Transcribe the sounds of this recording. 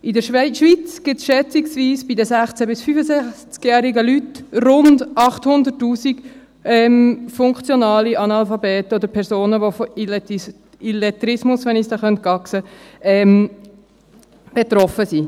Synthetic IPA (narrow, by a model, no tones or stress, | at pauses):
ʔɪdəʃʋʃʋit͡sɡ̥ɪtsʃɛt͡siɡsviːsb̥idəsæχt͡sɛbɪsfyːfəsæχt͡skjæːɾiɡəlytrʊndɑχthʊnd̪əɾtːuːsiɡ | ɛmfʊŋkχt͡sjonɑːliʔɑnɑlfɑbɛːtod̪əɾpʰɛɾsoːnəʋofl | ilɛtɾɪsmʊsʋɛnisdɑːχœnt̚kɑksəɛːm | b̥et̪ɾɔfəsi